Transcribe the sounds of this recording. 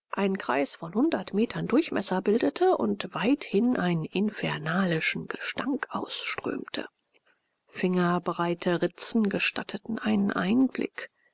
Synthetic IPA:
ʔaɪnkʁ̥a̰ɪsfɔnhʊndɐtmeːtʰɐndʊɐçmʔɛsɐbɪldətʰəʔʊ̰ntv̥aɪthɪnʔaɪnənʔɪnfɛɐnaːlɪʃn̩ɡ̥əʃta̰ŋkʔaʊsʃtʁ̥ø̰ːmtʰə̰ | fɪŋɐbʁaɪtʰəʁɪt͡sn̩ɡəʃta̰tʰətn̩ʔaɪnənʔa̰ɪnblɪ̰k

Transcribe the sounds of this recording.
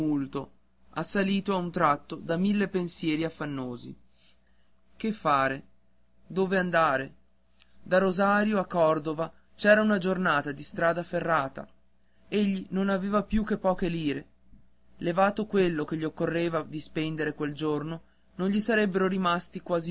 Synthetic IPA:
ult̪o | asːaliːt̪oaunt̪ɾat̪ːod̪amilːepensjɛːɾiafːanːoːzḭ | kefːaːɾe | d̪oːveand̪aːɾe | d̪aɾozaːɾjoakːɔrd̪ova | t͡ʃɛːɾaunad͡ʒornaːt̪ad̪ist̪ɾaːd̪aferːaːt̪a̰ | eʎːinonaveːvapjukːepːɔːkeliːɾe | levaːt̪okwelːok̟eʎːiokːorːeːvad̪ispɛnd̪eɾekweld͡ʒorno | nonʎisaɾɛbːeɾoɾimast̪ikwaːzi

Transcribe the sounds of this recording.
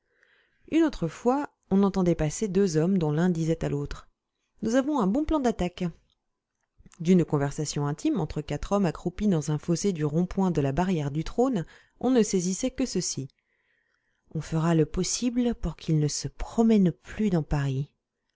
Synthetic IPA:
ynot̪χəfwa | ɔ̃nɑ̃t̪ɑ̃d̪ɛpased̪øzɔmd̪ɔ̃lɛ̃d̪izɛt̪alot̪χ | nuzavɔ̃ɛ̃bɔ̃plɑ̃d̪at̪ak | d̪ynkɔ̃vɛʁsasjɔ̃ɛ̃t̪ʰimɑ̃t̪χəkat̪χɔmakχupid̪ɑ̃zɛ̃fɔsed̪yʁɔ̃pwɛ̃d̪əlabaʁjɛʁd̪yt̪χon | ɔ̃nəsɛzisɛkəsəsi | ɔ̃fəʁaləpɔsiblpuʁkʰʲilnəsəpχɔmɛnplyd̪ɑ̃paʁi

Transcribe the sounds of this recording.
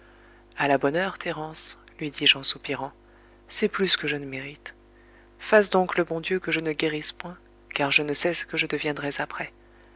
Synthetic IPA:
alabɔnœʁt̪ʰeʁɑ̃s | lɥid̪iʒɑ̃supiʁɑ̃ | sɛplyskəʒənəmeʁit̪ | fasd̪ɔ̃kləbɔ̃d̪jøkəʒənəɡʲeʁispwɛ̃ | kaʁʒənəsɛsə̥kəʒəd̪əvjɛ̃d̪ʁɛzapχɛ

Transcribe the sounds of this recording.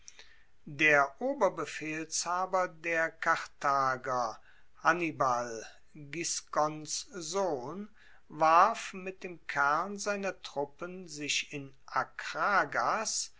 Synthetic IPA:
deːɐʔoːbɐbəfeːlshaːbɐdeːɐkaʁtʰaːɡɐ | hanibal | ɡɪskɔnszoːn | vaɐfmɪt̚d̥eːmkʰæɐnzaɪnɐtʁ̥ʊpənzɪʃɪn | ʔakʁaːɡas

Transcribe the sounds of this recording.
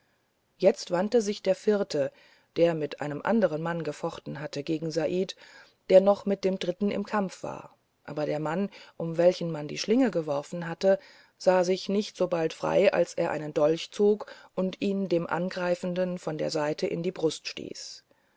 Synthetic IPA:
jɛt͡stv̥antəzɪçd̥eːɐfɪʁtʰə | d̥eːɐmɪtʔa̰ɪnəmʔa̰ndəʁ̞ənmanɡəfɔχtn̩ɦatəɡeːɡŋ̩zaʔiːt | d̥eːɐnɔχmɪt̚d̥eːmdʁɪtn̩ɪ̰mkʰamfv̥a̰ːɐ | ʔa̰ːbɐɾeːɐmanʔʊmvɛlçn̩mandḭːʃlɪŋəɡəvɔʁfn̩ɦatə | z̥aːzɪçnɪçtz̥oːbaltfʁ̥a̰ɪʔa̰lsʔeːɐʔa̰ɪnəndɔlçt͡soːkʔʊntʔiːndeːmʔa̰nɡʁaɪfn̩dənfɔndḛːɐzaɪtʰəʔɪ̰ndiːbʁʊstʃtḭːs

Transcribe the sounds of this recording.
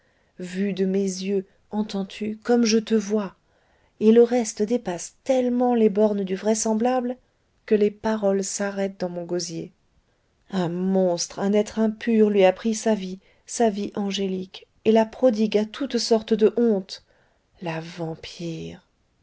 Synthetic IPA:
vyd̪əmezjø | ɑ̃t̪ɑ̃t̪ʰykɔmʒət̪əvwa | eləʁɛst̪d̪epast̪ɛlmɑ̃lebɔʁnd̪yvʁɛsɑ̃blabl | kəlepaʁɔlsaʁɛt̪̚d̪ɑ̃mɔ̃ɡozje | ɛ̃mɔ̃st̪χɛ̃nɛt̪χɛ̃pʰyʁlɥiapχisavi | saviʔɑ̃ʒelik | elapχɔd̪iɡat̪ʰut̪sɔʁt̪d̪əʔɔ̃t̪ | lavɑ̃pʰiːʁ

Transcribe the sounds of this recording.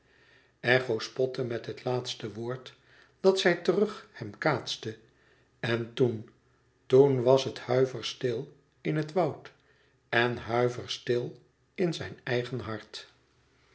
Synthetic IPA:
ɛχowspɔtəmɛtɦətlaːtstəʋʊːɹt | d̥ɑtsɛjtərɵχhɛmkaːtstə | ɛntun | tunʋɑsɦəthœɥvəɹstɪlˠ | ɪnɦətʋɑwt | ɛnɦœɥvəɹstɪlˠ | ɪnzɛjnɛjχənɦɑɹt

